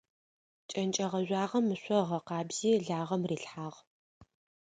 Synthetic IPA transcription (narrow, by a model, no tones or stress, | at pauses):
t͡ʃʼɐnt͡ʃʼɐʁɐʑʷaːʁɐmːɨɕʷɔʁɐqɑːbz̥iːɮaːʁɐmriːɬħaːʁ